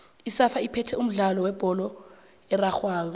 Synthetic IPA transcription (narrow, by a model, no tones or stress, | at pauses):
isafaipʰɛtʰɛum̩ɮalɔwɛb̥ʱɔlɔ | ɛraxwaːlɔ